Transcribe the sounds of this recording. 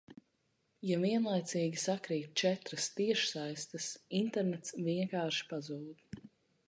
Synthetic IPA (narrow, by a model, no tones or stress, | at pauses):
javiɛnlˠajt̪siːɡʲisakɾiːt̪̚ʲt͡ʃɛt̪ɾɐst̪iɛʃsajst̪ɨsint̪ɛɾnɛt̪sviɛŋkaːɾʃi̥pazuːd̪̥